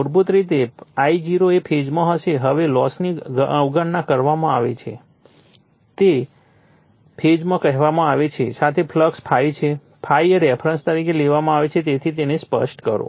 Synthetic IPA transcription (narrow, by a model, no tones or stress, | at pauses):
ʊɾbut̪ɾit̪eaid͡ʒiɾoepʰed͡ʒmãɦəʃeɦəʋelɔsniəwɡəɳːãkəɾʋamãaʋḛt͡ʃʰḛ | t̪e | pʰed͡ʒmãkəɦɛʋamãaʋet͡ʃʰesat̪ʰepʰləkspʰait͡ʃʰe | pʰaieɾefʰɾənst̪əɾikʰeleʋamãaʋet͡ʃʰet̪̬et̪ʰit̪̬enespə̰ʃʈkəɾo̰